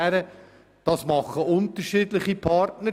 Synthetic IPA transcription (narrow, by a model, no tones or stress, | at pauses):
æɾə | d̥ɑsmɑχːəʔʊnt̪əɾʃiːdlɪχipʰɑɾtnə